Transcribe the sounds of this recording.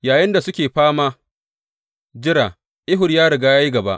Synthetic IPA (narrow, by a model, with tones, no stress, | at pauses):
jaː˨jɪ˦nda˨sʊ˦kʲeː˨ɸaː˦maː˦ | d͡ʒɪ˦ɽaː˨ | ʔɪ˦ɦʊ˨rjaː˦ɽɐ˨ɡaː˦jaː˦ji˦ɡɐ˨ba˦ʔ